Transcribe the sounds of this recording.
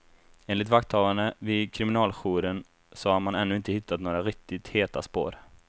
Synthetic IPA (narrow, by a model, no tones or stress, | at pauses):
eːnlɪt̪vakt̪ʰɑːvand̪əvɪd̪kʰɾɪmɪnɑːlɧuːɾən | sɔhaɾmanɛnːɵːɪnt̪əhɪt̪ːat̪noːɾaɾɪk̚t̪ɪt̪heːt̪a̰spo̰ːɾ